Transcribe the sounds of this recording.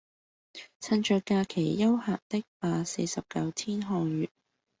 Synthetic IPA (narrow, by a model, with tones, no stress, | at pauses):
t͡sʰɐ˧nt͡ʃœː˨˧kaː˧kʰe˨˩jːɐ˥whaː˨k̚t̪ɪ˥k̚aː˨˧se˧sɐ˨p̚kɐ˧wt͡sʰiː˥nɦɔː˧ŋjyː˨t̚